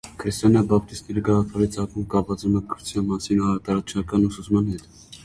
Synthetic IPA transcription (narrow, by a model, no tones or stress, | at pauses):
kʰɾist̪ɔnɑbɑp̚t̪ist̪nɛɾiɡɑʁɑpʰɑɾit͡sʰɑkumkɑpvɑt͡suməkʰɾut͡sʰjɑnmɑsinɑɾɑt̪ɑɾɑt͡sʃɑkɑnusut͡smɑnhɛt̪